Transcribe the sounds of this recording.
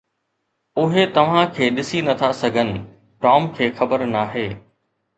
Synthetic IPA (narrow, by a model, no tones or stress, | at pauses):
ʊɦet̪ɐʋ̤ãkʰeːɗɪsinɐt̪ʰasɐɡʱənɪ̆ | ʈɔːmkʰeːxɐbəɾnaːɦeː